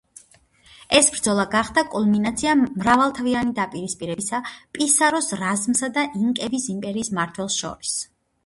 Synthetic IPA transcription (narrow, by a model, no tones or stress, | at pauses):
ɛsbɾd̪zɔlˠaɡaχd̪akʼulˠminat̪sʰiamɾavalˠt̪ʰavianid̪apʼiɾispʼiɾɛbisapʼisaɾɔsɾazmsad̪aʔiŋkʼɛbisimpʼɛɾiːsmaɾt̪ʰwɛlˠsʃɔ̰ɾis